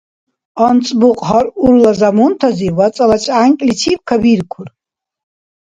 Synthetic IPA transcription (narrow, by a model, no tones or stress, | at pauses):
ant͡sʼbuqʼħaruɾlazamunt̪ʰaziwat͡sʼalat͡ʃʼaŋkʲʼlit͡ʃʰip̚kʰabiɾkʷʰʊr